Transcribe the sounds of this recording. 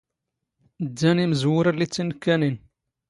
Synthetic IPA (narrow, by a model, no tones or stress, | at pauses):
d̪ːæniməzwʊɾælit͡sːinkːænin